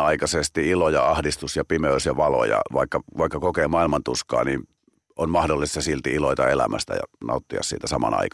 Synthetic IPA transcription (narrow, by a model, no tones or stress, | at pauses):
ɑikɑsest̪iilojɑɑhdist̪usjɑpimeysjɑʋɑlo̰jɑ̰ʋɑikːɑʋɑikːɑkokeːmɑˑilmɑnt̪uskɑ̰ːnḭːn | onmɑhdolːˑist̪ɑsilt̪iiloit̪ɑelæmæ̰st̪æ̰jɑ̰nɑ̰ˑut̪ːiɑ̰ssiːt̪æsɑmɑ̰nɑ̰ikɑ